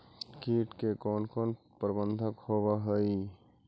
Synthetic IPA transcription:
kiːʈkekɔːnkɔːnpɾəbənd̪ʱəkhoːwaɦəi

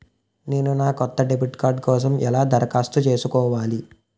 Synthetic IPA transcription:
ne̞ːnunaːkɔt̪ːɐɖebiʈkaːɾɖkɔːs̬ɐmɛ̰laːd̪ʱɐɾɐkaːst̪ut͡ʃe̞ːsukɔːʋaːli

